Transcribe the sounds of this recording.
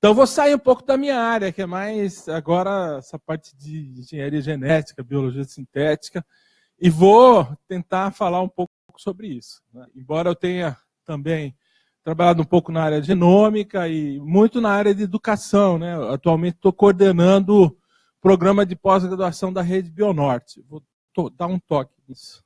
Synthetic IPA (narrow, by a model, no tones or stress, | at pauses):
ẽt̪ɐ̃w̃vosaiũpowkʊd̪ɐmĩɲɐaɾjɐkɪɛmajzaɡɔɾɐɛsɐpaɾt͡ʃɪ̥d͡ʒɪĩʒẽɲaɾiɐʒenɛt͡ʃi̥kɐbioloʒiɐsĩnt̪ɛt͡ʃi̥kɐ | ɪvot̪ẽnt̪afalaɾũpow | kʊ̥sobɾɪisʊ̥nɛḛ̃bɔɾɐewt̪ẽɲɐ | t̪ɐ̃mbẽj̃ | t̪ɾabaʎad̪ʊũpowkʊnɐaɾjɐʒenõmikɐɪmũj̃t̪ʊnɐaɾjɐd͡ʒ̪ɪed̪ukasɐ̃w̃nɛat̪uawmẽnt͡ʃɪ̥t̪okooɾd̪enɐ̃nd̪ʊʊ | pɾoɡɾɐ̃mɐd͡ʒɪpɔzɡɾad̪uasɐ̃w̃d̪ɐɦed͡ʒɪbionɔɾt͡ʃɪ̥vo | t̪od̪aɾũt̪ɔkɪnisʊ̥